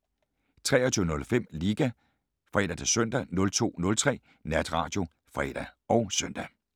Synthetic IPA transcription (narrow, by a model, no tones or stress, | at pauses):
t͡sʰʁɛːɒt͡sʰyːʊənɔ̽lfem̰liːɡ̥æ | fʁɛd̥ɐt͡sʰesœn̰d̥ænɔ̽lt͡sʰo̝̰ːnɔ̽lt͡sʰʁɛ̰ː | næd̥ʁɑ̈ːd̥jo̝ | fʁɛ̰ːd̥æɒ̽ʊsœn̰d̥æ